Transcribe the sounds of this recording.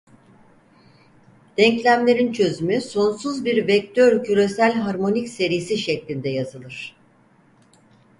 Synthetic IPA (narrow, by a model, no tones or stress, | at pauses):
d̪̥ɛɲclʲæmlʲe̞ɾint͡ʃʰø̞zymyso̞nsuzbiɾvɛc̚t̪ʰøɾcʰyɾe̞sælʲɦaɾmo̞nicse̞ɾijisiʃɛclʲind̪ɛjazɯlˠɯɾ̝̥